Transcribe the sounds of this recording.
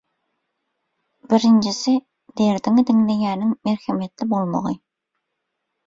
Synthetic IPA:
bɪɾɪnd͡ʒɪsɪ | d̪eɾd̪ɪŋd̪ɪŋlejʲæːnɪŋmeɾxemet̪lɪbolˠmo̰ʁɨ̰

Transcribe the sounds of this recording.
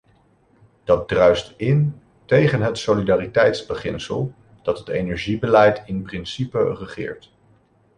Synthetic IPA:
d̥ɑt̚drœɥstɪn | tejχənɦətsolidaːritɛjtzbəχɪ̰nsə̰lˠ | d̥ɑtɦətejnɛɹʒibəlɛjtɪnprɪnsipərəχɪ̰ːɹt

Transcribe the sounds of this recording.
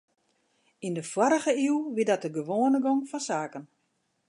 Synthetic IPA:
indəfwaɾəɣəiwʋidɔt̚dəɡəʋoːənəɡoŋfɔnsaːkən

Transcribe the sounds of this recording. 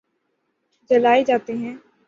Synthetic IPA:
d͡ʒəlaːed͡ʒaːt̪iɦɛ̃ː

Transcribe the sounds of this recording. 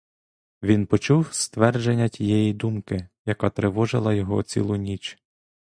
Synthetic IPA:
ʋʲinpɔt͡ʃuwst̪ʋɛrd͡ʒenʲːɐtʲijɛjid̪umkɪjɐkat̪ɾeʋɔʒɪlˠɐjɔɦɔ̰t͡sʲḭlˠʊnʲit͡ʃ

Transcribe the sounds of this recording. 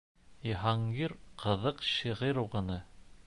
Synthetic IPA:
iɦɑŋɡiɾqʰɤ̆ðɤqɕiʁiɾuʁɤ̆nɤ

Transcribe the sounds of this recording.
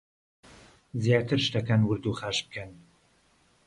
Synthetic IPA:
zjaːt̪ʰɨɾʃt̪ɐkɐnwɨɾd̪uχaːʃb̚kʰɐn

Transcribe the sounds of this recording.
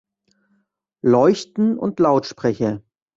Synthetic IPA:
lɔʏçtn̩ʊ̰ntlaʊtʃpʁ̥ɛçə

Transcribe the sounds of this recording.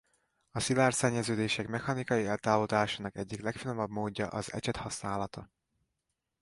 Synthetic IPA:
ɒsilaːrsɛɲːɛzøːd̪eːʃɛkmɛxɒnikɒjiɛlt̪aːvod̪aːʃaːnɒkɛɟːiklɛkfinomɒbmoːɟːɒ̰ʔɒzɛ̰t͡ʃɛt̪hɒsnaːlɒt̪ɒ

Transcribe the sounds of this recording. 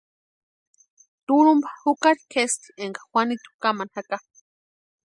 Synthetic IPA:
t̪uɾumbḁhukaɾikʰest̪i̥eŋɡḁxwanit̪u̥kamanhaka

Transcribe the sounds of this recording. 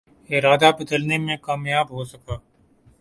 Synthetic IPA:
ɪɾaːd̪abɐd̪əlnemẽkaːmjaːbɦosɐkaː

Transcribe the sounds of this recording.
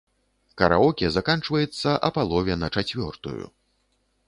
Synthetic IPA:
kɐɾa̰ɔkʲɛzakant͡ʂvɐjɛt̪sːɐʔɐpalˠɔvʲɛnɐt͡ʂat͡sʲvʲɔ̰rt̪ṵjṵ

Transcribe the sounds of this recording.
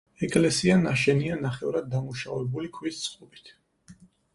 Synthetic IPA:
ɛkʼlɛsianaʃɛnianaχɛuɾad̪̚ːamuʃavɛbulikʰwist̪sʰχʼɔbi̥t̪ʰ

